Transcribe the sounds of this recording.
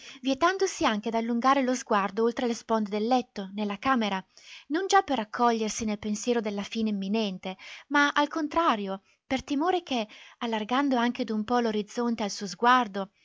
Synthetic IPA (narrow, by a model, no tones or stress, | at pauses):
vjet̪and̪osiaŋk̟ed̪alːuŋɡaːɾelozɡward̪oolt̪ɾelespɔnd̪ed̪elːɛt̪ːonelːakaːmeɾanond͡ʒapːerakʰːɔʎːersinelpensjɛːɾod̪elːafiːneimːinɛnt̪emaalkont̪ɾaːɾjo | pert̪imoːɾekealːarɡand̪oaŋk̟ed̪umpɔloɾid̪zːont̪ealsuːozɡward̪o